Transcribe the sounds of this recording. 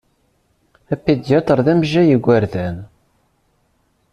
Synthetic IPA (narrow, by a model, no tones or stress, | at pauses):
æpːid̪jæt̪ˤəɾˤðæmʒæjəɡʷːæɾðæn